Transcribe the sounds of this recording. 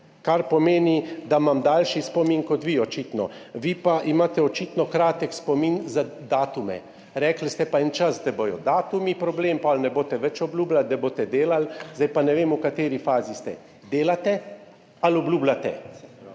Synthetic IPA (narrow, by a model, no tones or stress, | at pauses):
kaɾpɔmeːnid̪amamd̪aːlʃispɔminkɔt̪ʋiɔt͡ʃiːt̪nɔ̰ʋiːpaʔimaːt̪ɛɔt͡ʃiːt̪nɔkɾaːt̪ɛkspɔminzad̪aːt̪umɛ̰ | ɾɛklst̪ɛpaɛnt͡ʃasd̪ɛbojɔd̪aːt̪umipɾɔbleːmpɔlnɛboːt̪ɛʋɛt͡ʃɔblʲuːblald̪ɛboːt̪ɛd̪eːlalzajpanɛʋeːmukat̪eːɾifaːzist̪ɛ̰ | d̪eːlat̪ɛ | alɔblʲuːblat̪ɛ